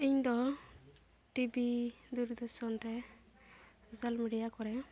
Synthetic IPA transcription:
iɲd̪ɔ | ʈibid̪uɾd̪ɔɾsɔnɾɛ | sosalmiɖijakɔɾɛ

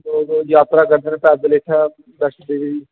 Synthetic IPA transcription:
oːd̪õːjaːt̪ɾaːkəɾd̪eːnẽːpɛːd̪eleːʈʰaː | bɛːʈʰd̪eːʋi

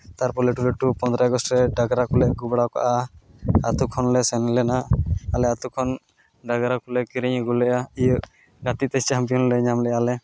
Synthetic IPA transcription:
t̪aɾpɔlɛʈulɛʈupɔ̃nd̪ɾaɛɡɔstʈɾɛɖaɡaɾakulɛʔɡubɽawka̰ʔa | at̪ukʰɔnlɛsɛnɛlɛnaalɛat̪ukʰɔn | ɖaɡaɾakulɛkiɾiɲɡulɛʔaijəʔ | ɡat̪it̪ɛt͡ʃampiɔnlɛɲamlɛjalɛ

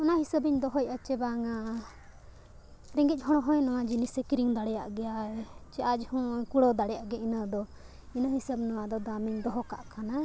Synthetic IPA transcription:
ɔnaʔhisəbiɲd̪ɔɦɔjat͡ʃɛbaŋa | ɾɛŋɡic̚ˀɦɔɽ̃ɔɦɔ̃jnɔwad͡ʒinisekiɾiŋd̪aɽɛja̰ʔɡɛjat͡ʃɛʔad͡ʒhɔ̃kuɽɔd̪aɽɛjaʔɡɛinad̪ɔ | inaɦisəbnɔwad̪ɔd̪aamiɲd̪ɔɦɔka̰ʔkʰana

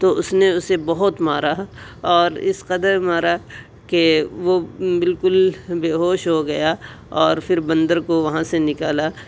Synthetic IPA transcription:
t̪oʊsneʊsebɐɦʊt̪maːɾaɔːɾɪ̰sqɐd̪əɾmaːɾa | keʋobɪlkʊlbeːɦoːʃɦoɡɐja | ɔːɾfʰɪɾbɐ̃nd̪əɾkoʋɐɦãsenɪkaːlaː

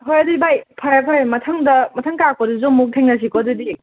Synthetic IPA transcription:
ɦɔjɐdibajpʰajapʰajmɐtʰaŋdɐmɐtʰaŋkakʰɔdizɔmuk̚tʰeŋnas̬ikɔdɯdi

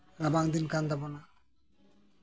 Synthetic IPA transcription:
ɾabaŋd̪inkand̪abona

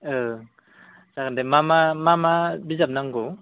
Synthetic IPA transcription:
ɯ | sakandɛmamamamabizap̚naŋɡɔ

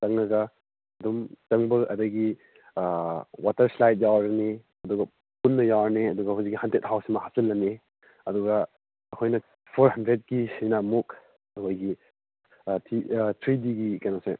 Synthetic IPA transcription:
tɐŋnɐɡɐ | ɐdumt͡ʃɐŋbɐɐ̰dɐɡi | watɐɾslajt̚jawaɾni | ɐduɡɐ | punːɐjawɾniɐduɡɐhuzikːihantet̚hawsimɐhasilːɐne | ɐduɡɐ | ɐkʰojnɐ | pʰoɾɦɐndɾet̚ɡisinɐmuk̚ | ɐkʰojɡi | tʰitʰɾidiɡikajnase

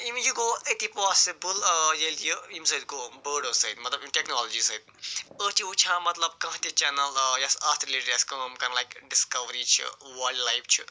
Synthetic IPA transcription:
imjuɡoːet̪ipɔːsibəljɐljəimsɐid̪kobəːɖəsɐid̪mɐt̪lɐbimʈeknoːlod͡ʒisɐid̪̚ət͡ʃʰiut͡ʃʰãːmɐt̪lɐb̚kɐ̃ɦt̪it͡ʃɛnɐljɐsast̪ɾiliʈɾeskɐmkɐnlajkɖiskɐʋɾit͡ʃʰḭʋaːɖlajpt͡ʃʰḭ

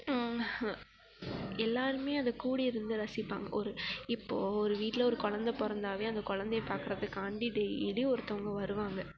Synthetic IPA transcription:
ɛlːaːɾɯmeːɐnðɐkuːɽiɪɾɯnd̪ɯɾɐsɪpːa̰ːŋɡɐ̰ʔɔɾɯɪpːoːɔɾɯʋiːʈːɪlɔɾɯkɔɻɐnd̪ɐpɔɾɐnd̪aːʋeːɐnd̪ɐkɔɻɐnd̪ɛjɐpaːɾkɯɾɐðɯkːaɳɖiɖeɪliɔɾɯt̪ɔŋɡɐʋɐɾɯʋaːŋɡɐ

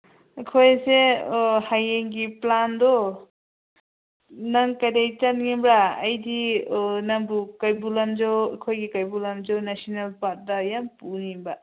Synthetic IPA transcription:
kʰojsehajeŋɡiplandɔ | naŋkadajt͡ʃanŋimbɾaɐjdinaŋbukajbulamd͡ʒawkʰojɡikajbulamzawnasɔnelpat̚dɐjampunimba

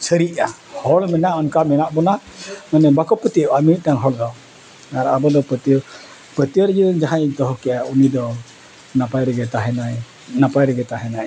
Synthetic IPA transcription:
səɾiʔa | hɔlmɛnaɔnkamɛnaʔbɔna | manɛbakɔpət̪iəwamit̪̚daŋɦɔldɔ | aɾabɔdɔpət̪iə | pət̪iəɾd͡ʒəd͡ʒaɦajnt̪ɔɦɔkɛaunidɔ | napajɾɛɡɛt̪aɦɛnaj | napajɾɛɡɛt̪aɦɛnaj

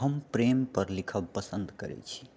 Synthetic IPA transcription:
ɦəmpɾempəɾlikʰəbpəsənd̪kəɾɛ̰t͡ʃʰi̥

